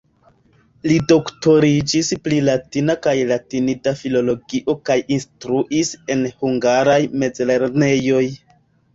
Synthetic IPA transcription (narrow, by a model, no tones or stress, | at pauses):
lido̞kto̞ɾid͡ʒisplilatinakajlatinitafilo̞lo̞ɡiʔo̞kajinstɾuʔise̞nhuŋɡaɾajme̞d͡zle̞ɾne̞jo̞j